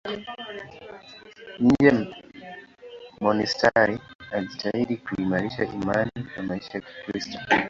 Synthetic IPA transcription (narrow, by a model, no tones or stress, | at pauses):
nɲ̩d͡ʒɛ | mɔnistaɾiad͡ʒitʰaiɗikuimaɾiʃaʔimaniamaiʃajaki̥pɾistɔ̥